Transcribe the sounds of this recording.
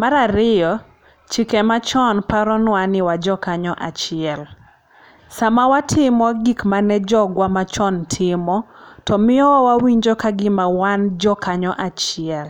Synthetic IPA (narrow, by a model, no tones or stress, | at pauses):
maɾaɾɪjɔ | t͡ʃikɛmat͡ʃɔnpaɾɔnwanɪwad͡ʒɔkaɲɔʔat͡ʃɪɛl | samawatʰɪmɔɡikmanɛd͡ʒɔɡwamat͡ʃɔntʰɪmɔtɔmɪɔwawiɲd͡ʒɔkaɡɪmawand͡ʒɔkaɲɔʔat͡ʃɪɛl